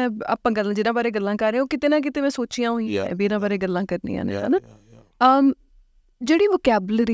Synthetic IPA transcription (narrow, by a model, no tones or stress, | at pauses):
a̰ːpãːɡəlːãd͡ʒɪnãːbaːɾeːɡəlːãːkəɾẽːoːkɪt̪eːnãːk̬ɪt̪eːmɛ̃ːsoːt͡ʃijãːɦoĩːbiːɾãːbaːɾeːɡəlːãːkəɾnḭːa̰ːnḛːa̰ːnaː | əː | d͡ʒeːɽiːʋokɛːbəlɾə